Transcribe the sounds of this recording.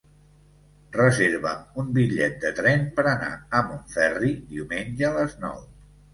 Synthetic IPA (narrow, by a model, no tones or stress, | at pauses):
rəzeɾβəumbiʎɛ̰t̪̚d̪ət̪ɾɛnpəɾəna̰əmoɱfɛrid̪iumenʲʒəːləznɔ̰w